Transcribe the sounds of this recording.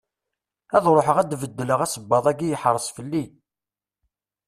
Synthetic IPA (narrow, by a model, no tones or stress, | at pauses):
æðɾˤoħəʁæd̪vəd̪ːələʁæsəbːɑðˤæɡijəħɾˤəsˤfəlːi